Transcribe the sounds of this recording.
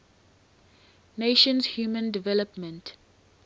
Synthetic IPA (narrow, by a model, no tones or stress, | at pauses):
neʃə̃nshjuːmə̃ndivɛləpmə̃nt